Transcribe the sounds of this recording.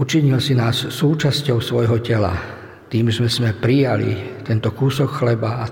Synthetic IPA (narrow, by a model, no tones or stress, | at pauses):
ut͡ʃiɲilsinaːsːuːt͡ʃascɔʊsʋɔjɦɔcɛla̰ | t̪iːmzmɛzmɛpɾijalḭt̪ɛnt̪ɔkusɔkxlɛbaa